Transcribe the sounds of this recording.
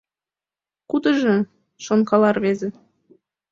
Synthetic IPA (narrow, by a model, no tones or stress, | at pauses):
kud̪ə̆ʒɤ̆ | ʃonkɑlɑrβeze